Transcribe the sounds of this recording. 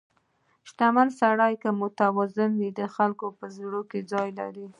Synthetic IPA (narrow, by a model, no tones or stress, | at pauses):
ʃt̪amansaɽɑjkəmʊt̪awɑzɪnwid̪əxalkopəzɽoked͡zɑjla̰ɾi